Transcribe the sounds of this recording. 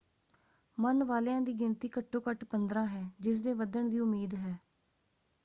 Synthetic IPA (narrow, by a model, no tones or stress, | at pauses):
mənʋaːleãːd̪iːɡɪnt̪iːkəʈʰːoːkəʈpənd̪ɾãːɦɛːd͡ʒɪs̬d̪eːʋəd̪əɳd̪iːʊmiːd̪ɦɛː